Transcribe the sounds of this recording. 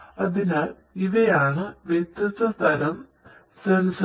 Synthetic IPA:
ɐðinɨ | iʋɐjaːɳɨʋjet̪jɐst̪ɐst̪ʰɐɾɐm | sɐns

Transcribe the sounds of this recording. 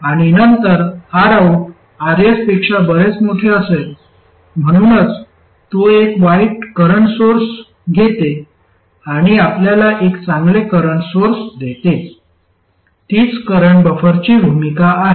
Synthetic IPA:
aɽ̃inənt̪əɾhaɾaw | aɾespekʂabəɾet͡smuʈʰeəsel | m̤əɽ̃unət͡s | t̪oekʋaiʈkəɾəɳsoɾs | ɡʱet̪e | aɽ̃iapljalaʔekt͡sãŋɡlekəɾəɳsoɾsd̪et̪e | t̪iːt͡skəɾəɳbəfəɾt͡ɕibʱumikaːɦe

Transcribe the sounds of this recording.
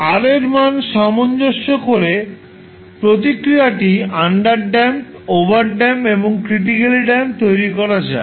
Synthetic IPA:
aɾeɾmanʃɔmond͡ʑoʃːokoɾe | pɾot̪̬ikɾiaʈiaɳɖaɾɖɛm | obaɾɖɛmeboŋkɾiʈ̬ikeliɖɛmt̪ojɾikɔɾad͡ʑa̰e

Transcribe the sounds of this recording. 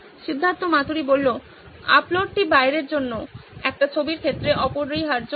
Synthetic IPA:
ʃid̪ʱːant̪omat̪uɾibolːo | a̰ploɖ̚ʈibajɾeɾd͡ʑonːoɛk̚ʈat͡ɕʰobiɾkʰet̪ːɾeʔɔpoɾːojɦaɾd͡ʑo

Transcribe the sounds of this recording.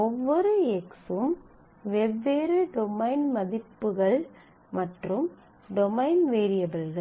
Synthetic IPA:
ɔʋːɔɾɯɛksɯm | ʋɛbːeːɾɯɖɔmɐɪnmɐðɪpːɯɣɐɭ | mɐʈrɯm | ɖɔmɐɪnʋeːɾɪjɐbɐlɣɐɭ

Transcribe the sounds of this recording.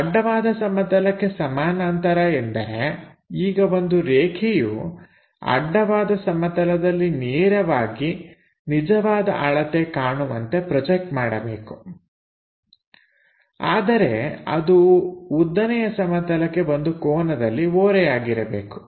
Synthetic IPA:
ɐɖːɐʋaːd̪ɐsɐmɐt̪ɐlɐkːe̞sɐmaːnaːnt̪ɐɾɐend̪ɐ̰ɾe̞ | iːɡɐʋo̞nd̪uɾeːkʰɛjṵ | ɐ̰ɖːɐʋaːd̪ɐsɐmɐt̪ɐlɐd̪ɐlːineːɾɐʋaːɡi | nid͡ʒɐʋaːd̪ɐʔaɭɐt̪ekaːɳumɐnt̪e̞pɾɔd͡ʒek̚ʈmaːɽɐbe̞ːku̥ | a̰ːd̪ɐɾe̞̰ɐ̰d̪uud̪ːɐnɛjɐsɐmɐt̪ɐlɐkːe̞ʋond̪ukɔːnɐd̪ɐlːioːɾɛjaːɡiɾɐbḛːku̥

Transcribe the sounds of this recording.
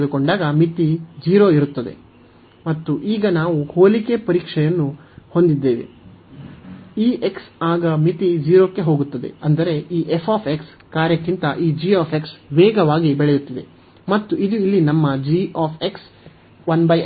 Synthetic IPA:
d̪uko̞ɳɖaːɡɐmit̪id͡ʒiːɾo̞ːiɾut̪ːɐd̪e̞̰ | mɐt̪ːuʔiːɡɐnaːʋuhoːlike̞pɐɾiːkʂɛjɐnːuho̞nd̪id̪ːeːʋḭ | iːʔeksaːɡɐmit̪id͡ʒiːɾo̞ːkːe̞ɦoːɡut̪ːɐd̪e̞̰ɐnd̪ɐɾe̞ʔiːʔefʰaːpʰe̞ks | kaːɾjɐkːint̪ɐʔiːd͡ʒiːaːpeksʋeːɡɐʋaːɡibɛɭejut̪ːid̪e̞ | mɐt̪ːuʔid̪uilːinɐmːɐd͡ʒiːaːpʰeks | ʋɐnbɐj

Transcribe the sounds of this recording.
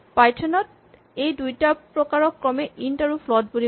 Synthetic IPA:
pajtʰɔnɔt̚ | ejdujtapɹɔkaɹɔkːɹɔmɛʔintaɹupʰlɔd̚buli

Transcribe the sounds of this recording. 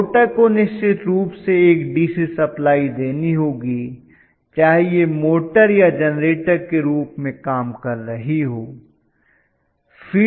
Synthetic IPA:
ʈəɾkonɪʃt͡ʃɪt̪ɾuːpseeːkɖiːsisɐplaːid̪eːniɦoːɡi | t͡ʃaːɦejemoːʈəɾjad͡ʒɐnɾeːʈəɾkeɾuːpmẽkaːmkɐɾːɐɦiɦoː | fʰiː

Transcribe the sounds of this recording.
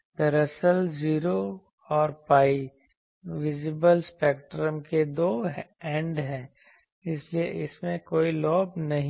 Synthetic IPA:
pɛɾəsəlziːɾo | ɔːɾpaːi | ʋɪd͡ʒɪbəlspeːkʈɾəmked̪oːɛ̃ɳɖɦɛ̃ː | ɪslieʔɪsmẽkoːilɔːbnɐɦĩ

